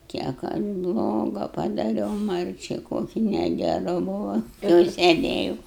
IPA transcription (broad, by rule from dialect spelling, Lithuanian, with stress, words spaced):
kʲiɛk ˈɐʃ ˈblˠoːɡɐ pɐdɐˈrʲɛʊ ˈmɐrʲt͡ʃʲɛɪ ˈkoːkʲɪ nʲɛɡʲɛˈrʊ ˈbʊʋʊ jɛʊ sʲɛˈdʲeːjʊ